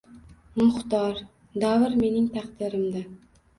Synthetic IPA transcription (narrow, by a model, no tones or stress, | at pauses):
mʊχt̪ɒɾ | d̪avɨɾme̞nɪŋt̪ʰɑqd̪ɪɾɪmd̪a